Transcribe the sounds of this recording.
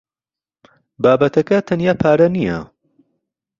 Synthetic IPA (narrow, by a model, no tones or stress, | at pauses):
baːbɐt̪ʰɐkɐt̪ʰɐnjaːpʰaːɾɐnijɐ̰